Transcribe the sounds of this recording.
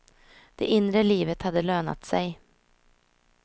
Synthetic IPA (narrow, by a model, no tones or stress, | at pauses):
d̪̥ɛʔɪnɾəliːvət̪had̪ːəløːna̰t̪sɛj